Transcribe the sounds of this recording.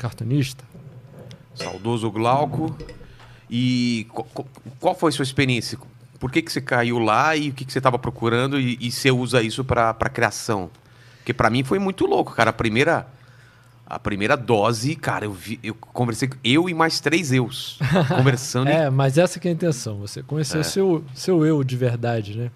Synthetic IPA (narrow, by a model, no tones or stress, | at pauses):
kaɾt̪õniʃt̪ɐ̥ | sa̰wd̪ozʊɡlawkʊ | ɪkakokwawfojɐsuɐispeɾiẽsjɐ | poɾkekɪ̥sekaiwlaɪʊkɪkɪ̥set̪avɐpɾokuɾɐ̃nd̪ʊɪːseuzɐisʊpɾɐpɾɐ̰kɾiasɐ̃w̃ | poɾkepɾɐmĩfojmũj̃t̪ʊlokʊ̥kaɾɐːpɾimejɾɐ | ɐ̰pɾimejɾɐd̪ɔzɪka̰ɾɐewviewkõveɾsejkewɪmajst̪ɾejzewskõveɾsɐ̃nd̪ɛmɐzɛsɐkɪɐĩnt̪ẽsɐ̃w̃vosekõjesewsew | sewewd͡ʒɪveɾd̪ad͡ʒɪnɛ